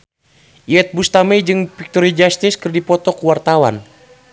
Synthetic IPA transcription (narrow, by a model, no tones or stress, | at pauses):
ʔiɛt̪̚bust̪amɛjd͡ʒɨŋpik̚t̪ɔɾid͡ʒast̪iskɨrdipɔt̪ɔkuwart̪awa̰n